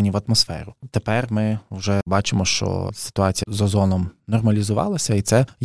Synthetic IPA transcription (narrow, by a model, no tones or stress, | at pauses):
nʲiʋɐt̪mɔsfɛ̰ɾʊt̪epɛrmɪwʒɛbɑt͡ʃɪmɔʃt͡ʃɔ̰sɪ̥t̪ʊɑt͡sʲijzɐzɔnɔmnɔrmɐlʲizʊʋɑ̰lˠɐsʲɐit̪sɛj